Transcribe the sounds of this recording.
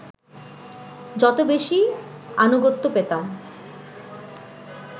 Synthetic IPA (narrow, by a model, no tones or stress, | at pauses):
d͡ʑɔt̪obeʃi | anoɡot̪ːopet̪a